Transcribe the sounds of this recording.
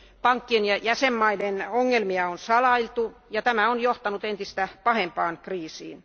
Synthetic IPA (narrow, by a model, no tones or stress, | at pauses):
pɑŋkːienjɑjæsemːɑidenoŋːelmiɑonsɑlɑilt̪ujɑt̪æmæonjoht̪ɑnut̪ent̪ist̪æpɑhempɑːnkriːsḭːn